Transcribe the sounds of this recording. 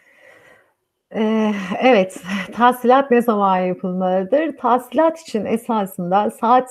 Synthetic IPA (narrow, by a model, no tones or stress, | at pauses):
ɛːevɛt̪ːʰasilʲat̪̚nezamanjapʰɯlˠmalˠɯd̪ɯɾt̪ʰasilʲat̪ʰi̥t͡ʃʰinesaːsɯnd̪asaːt̪